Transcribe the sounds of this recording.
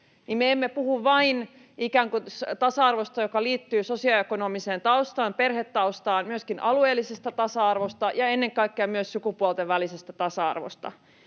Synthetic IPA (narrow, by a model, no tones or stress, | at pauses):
nimmeemːepuhuʋʋɑin | ikæːŋkut̪ɑsɑɑrʋost̪ɑjokɑliːt̪ːyːsosiɑekonomiseːnt̪ɑust̪ɑːmperhet̪ːɑust̪ɑːnmyøskinʔɑlueːlːisest̪æt̪ɑsɑɑrʋost̪ɑjɑenːeŋkɑikːeɑmyøssukupuolt̪eʋʋːælisest̪æt̪ɑsɑɑ̰rʋo̰st̪ɑ̰